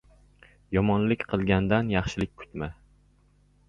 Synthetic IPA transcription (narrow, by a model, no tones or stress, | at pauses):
jɒmɒnlɪkʲqʰɨlˠɡʲand̪anjɑχʃɪlɪk̚ʲkʰʊ̥t̪ma